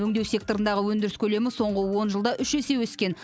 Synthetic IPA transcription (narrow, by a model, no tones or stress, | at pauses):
ɵŋd̪e̞wse̞k̚t̪o̞ɾənd̪ɑʁəwɵnd̪ɪɾɪskʲʰɵle̞mɪso̞ɴʁəwo̞nʒəlˠd̪ɑʔʏʃese̞wɵskʲe̞n